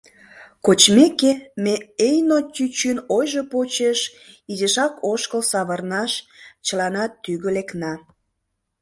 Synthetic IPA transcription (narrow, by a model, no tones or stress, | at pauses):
kot͡ɕmekemeejnotʲyt͡ɕynojʒopot͡ɕeʃizeʃɑkoʃkəlsɑβərnɑʃt͡ɕəlɑnɑt̪ːyɣəleknɑ